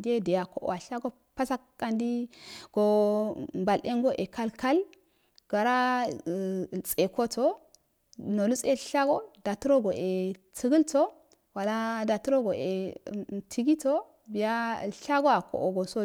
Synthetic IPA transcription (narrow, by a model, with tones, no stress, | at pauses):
di˦e˦de˨ja˨ko˨ʔo̰˨a˨ɬa˦ɡo˦ | pa˦sa˦kːa˦ndi˦ɡ̥o˨mba˨lʔe˦ŋɡo˦ʔe˨ka˦lka˦l | ɡ̥a˨ɾa˦˨ | t͡sʼe˨ko˦to˦ | no˨lu˦t͡se˦˨ɬa˦ɡo˦da˨tu˦ɾo˦ɡo˨ʔe˨t͡si˨˦ɡi˦lto˦ | wa˨la˦da˨tu˦ɾo˦ɡo˨e˨tʰi˨ɡi˦to˦ | bi˨ja˦˨ɬa˦ɡo˦a˨ko̰˨ʔo˨ɡo˨so˦